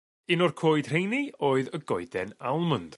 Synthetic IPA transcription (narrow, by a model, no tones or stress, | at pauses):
ɪnɔrkʰoːɨd̥r̥ejnioːɨðəɡɔɨdɛnalˠmənd̥